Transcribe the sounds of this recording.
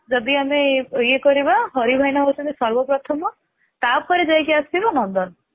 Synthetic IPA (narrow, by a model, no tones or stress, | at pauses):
d͡ʒɔd̪iamejekɔɾibaɦɔɾibʱajnɔɦot͡ʃʰɔ̃nt̪isɔɾbɔpɾɔt̪ʰɔmɔ | t̪ap̚kɔɾid͡ʒajkʰiast̪ibanɔnd̪ɔn